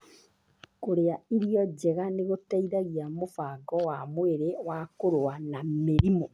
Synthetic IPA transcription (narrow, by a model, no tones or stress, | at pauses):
koɾeaiɾiɔd͡ʑɛɣaneɣotɛiɾaɣiamofaɡɔwamweɾewakoɾoanameɾimo